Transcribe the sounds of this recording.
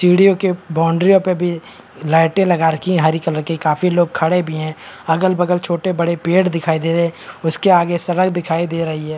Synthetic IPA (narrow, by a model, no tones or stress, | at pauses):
siːɽijokebaːʊɳɖɾijõpebʱi | laːɪʈẽlɐɡaːɾkiɦaɾikələkekaːfiloːɡ̚kʰɐɽebʱiɦɛ̃ːɐɡəlbɐɡəlt͡ʃʰoːʈebɐɽepeːʈd̪ɪkʰaːid̪eːɾɐɛ̃ʊskeaːɡesɐɽəkd̪ɪkʰaːid̪eːɾɐɦiɦɛː